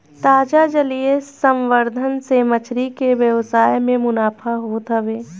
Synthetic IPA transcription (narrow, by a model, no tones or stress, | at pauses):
t̪aːd͡ʒad͡ʒəliesə̃mʋəɾd̪ʱənsemət͡ʃʰɾikeʋjəʋsaːjmẽmʊnaːpʰaɦot̪əʋeː